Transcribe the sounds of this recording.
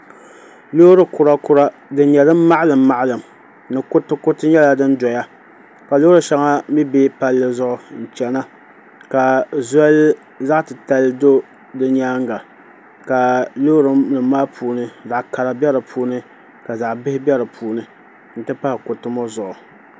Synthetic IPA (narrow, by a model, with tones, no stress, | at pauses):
lo˦ɾɨ˦kʊ˨ɾa˦kʊ˦ɾa˦ | dɨ˦ɲɛ˨dɨ˦m˦ma˦ʔlɨ˨mːa˦˨ʔlɨ˨m | nɨ˨kʊ˦tɨ˦kʊ˦tɨ˦ɲɛ˦la˨dɨ˦ndɔ˨ja˦ | ka˨loː˦ɾɨ˨ʃa˦ŋa˦mi˦be˦pa˦lːɨ˦zʊ˦ʔʊ˨n̩˨t͡ʃɛ˨na˦ | ka˨zɛ˦l | za˦ʔtɨ˨ta˦ldo˦ | dɨ˦ɲ˦aː˦ŋɡa˨ | ka˨lo˦ɾɨ˦mnɨ˨mːaː˦pʰuː˨nɨ˦za˨ʔka˨ɾa˨bɛ˦ɾɨ˨pʰuː˦nɨ˦ | ka˨za˨ʔbɪ˦hɪ˦bʲɛ˦ɾɨ˨pʰuː˨nɨ˦ | n̩˨tɨ˦pa˦hɪ˨kʊ˨tɨ˦mo˦zʊ˨ʔʊ˨